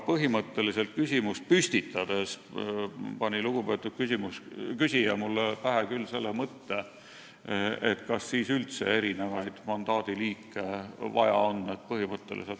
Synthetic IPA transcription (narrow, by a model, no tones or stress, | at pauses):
pɤɦimɤt̪ːe̞lise̞lt̪̚kysʲimust̪̚pyst̪it̪ːˑɑd̪̥e̞s | pɑnʲiluɡ̥upe̞t̪ːˑud̥̪̚kysimuskysʲijɑmulːepæɦekylːselːemɤt̪ːe | et̪kɑsːiːsylt̪se̞̰e̞ɾine̞vɑjd̪̥mɑnd̪̥ɑːd̪̥iliːkːˑe̞vɑ̰jɑ̰onːet̪̚pɤɦimɤt̪ːe̞̰lʔḭselt̪